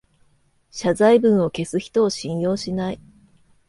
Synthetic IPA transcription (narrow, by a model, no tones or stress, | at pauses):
ɕazaibɯ̟̃ɰ̃o̞ke̞sɨçi̥t̪o̞ːɕĩɰ̃jo̞ːɕinai